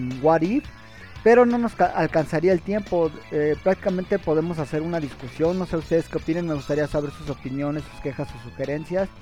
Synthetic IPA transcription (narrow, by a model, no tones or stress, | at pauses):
nɡwaɾip | pe̞ɾo̞no̞no̞skaʔalkansaɾiaelt̪je̞mpo̞epɾakt̪i̥kamẽnt̪e̞po̞ð̞e̞mo̞sase̞ɾunaðiskusjo̞nːo̞se̞ust̪eðeskeopinenmeɣust̪aɾiasaβe̞ɾsuso̞pinjo̞nesu̥ske̞xasosuxe̞ɾe̞nsjas